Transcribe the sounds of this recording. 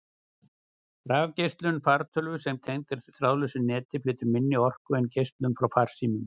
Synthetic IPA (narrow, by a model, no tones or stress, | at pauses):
raːvcejst̪lʏnfaɾt̪ʰœlvʏsɛmt̪ʰejŋkɪɾ̥θɾawlʏsʏnɛːt̪ɪflɪːt̪ʏɾmɪnːɪɔr̥kʏɛncejst̪lʏnfɾawfaɾ̥siːmʏn